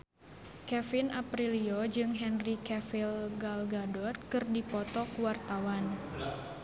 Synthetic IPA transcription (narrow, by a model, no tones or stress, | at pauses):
kɛfinʔapɾiliod͡ʒɨŋɦɛnrikɛfilɡalɡadɔt̪̚kɨrdipɔt̪ɔkuwart̪awan